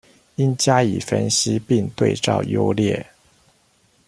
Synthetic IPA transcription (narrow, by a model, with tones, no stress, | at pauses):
i˦˥nt͡ɕja˥i˨˩fə̰˦nɕi˦pi˥˧ŋt̪we˥˧ɪt͡sɑ̰˥˩ʊjo̰˥ʊljɛ˥˩